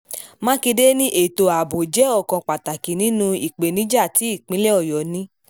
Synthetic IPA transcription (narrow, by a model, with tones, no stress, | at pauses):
mã˦ki˧de˦nĩ˦ʔe˨to˨a˨bo˨d͡ʒɛ˨˦ɔ˦˨kɔ̃˨˧k͡pa˨ta˨ki˨nĩ˨˦nũ˧i˨k͡pe˨nĩ˨˦d͡ʒa˦˨ti˨˦i˦˨k͡pĩ˨˦lɛ˦ɔ˦˨jɔ˨nĩ˦